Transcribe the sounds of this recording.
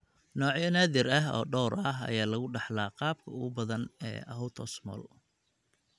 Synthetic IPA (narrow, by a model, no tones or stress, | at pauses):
nɔːʕjɐnaːðɪɾɐɦɔ̰ːɖɔːɾɐɦɐ̰jaːlɐɣʊɖɑħlaːqɑːb̚kʰɐʊɣʊbɐðɐnɛ̰ːʔɐɦɔwt̪ʰɔsmɔ̰ːl